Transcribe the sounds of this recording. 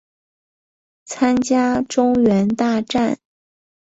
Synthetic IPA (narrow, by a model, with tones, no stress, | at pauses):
t͡sʰa˥nt͡ɕja˥ʈ͡ʂʊ˥ŋɥɛ˧˥nt̪a˥˧ʈ͡ʂa˥˩n